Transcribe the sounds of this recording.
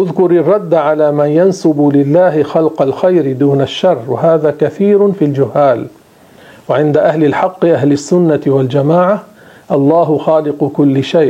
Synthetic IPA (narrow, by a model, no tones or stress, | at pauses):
ʔʊðkʊɾɪrˤːɑd̪ːaʕalaːmanjansʊbʊlɪlːaːɦɪxalqɑlxajɾɪd̪uːnaʃːɑrˤːwaɦaːðaːkaθiːɾʊnfiːld͡ʒʊhːaːl | waʕɪnd̪aʔahlɪlħɑqːɨʔaɦlɪsːʊnːaɪwald͡ʒamaːʕa | ʔɑlˤːɑːɦʊxaːlɪqʊkʊlːɪʃajʔ